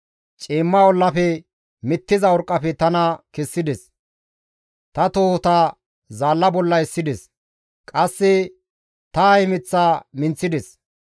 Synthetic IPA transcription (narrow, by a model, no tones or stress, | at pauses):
t͡ʃʼeːmːɐɔlːɐpɛ | mɪt̪ːɪzɐɔɾkʼːɐpɛt̪ɐnɐkɛsːɪd̪ɛs | t̪ɐt̪oːht̪aː | zaːlːɐbɔlːɐɪsːɪd̪ɛs | kʼɐsːɛ | t̪ɐhɪmɪt͡sːaːmɪnt͡sːɪd̪ɛs